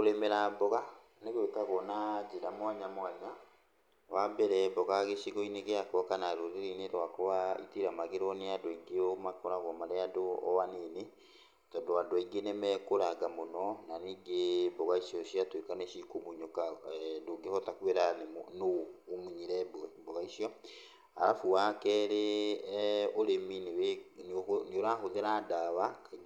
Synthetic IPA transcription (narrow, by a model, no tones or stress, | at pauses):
koɾemɛɾabɔɣa | neɣwekaɣɔnad͡ʒeɾamwaɲamwaɲa | wabɛɾɛbɔɣaɣeʃiɣɔineɣeakɔkanaɾoɾeɾineɾwakoβaḭtiɾamaɣeɾɔneadɔiɡeɔmakɔɾaɣɔmaɾeadoɔ̰wanene | tɔndoadwiɡenɛmɛkoɾaɡamonɔnaniɡebɔɣaisiɔʃiatwekanɛʃikomuɲokadoɡehɔtakweɾannoːmuɲiɾɛboɛbɔɣaisiɔ | a̰ɾafuwakɛɾe | oɾeminw | neoɾaxoðeɾaːdaβaka